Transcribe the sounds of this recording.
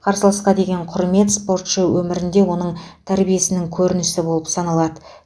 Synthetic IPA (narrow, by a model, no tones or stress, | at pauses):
qʰɑɾsəlˠɑsqɑd̪e̞ɡʲe̞ɴqʰʊɾme̞t̪spo̞rt̪ʃəwʔɵmɪɾɪnd̪e̞wo̞nəɴt̪ʰæɾbije̞sɪnɪŋkʲʰɵɾɪnɪsɪbo̞lˠəpsɑnɑlˠɑd̪ə